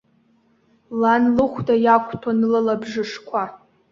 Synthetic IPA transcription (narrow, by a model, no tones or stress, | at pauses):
lanlɨχʷdajakʷʰʼtʰanɨlalabʐɨʂkʷʰa